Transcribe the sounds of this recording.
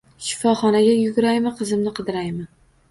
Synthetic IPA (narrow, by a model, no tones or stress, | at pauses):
ʃɪ̥fɒχɒnaɡʲajʊɡʲʊɾajmɪqʰɨzɪmnɪqʰɨd̪ɪɾajmɪ